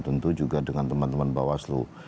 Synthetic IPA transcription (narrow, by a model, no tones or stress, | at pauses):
t̪ənt̪ud͡ʒuɡadəŋant̪əmant̪əmanbawaslṵ